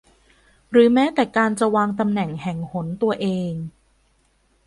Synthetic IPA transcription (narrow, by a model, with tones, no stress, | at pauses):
ɾɯː˩˦mɛː˦˥t̪ɛː˨˩kaː˧nt͡ɕa˨˩waː˧ŋt̪a˧mnɛ˨˩ŋhɛ˨˩ŋho˩˦nt̪u˧ɐʔeː˧ŋ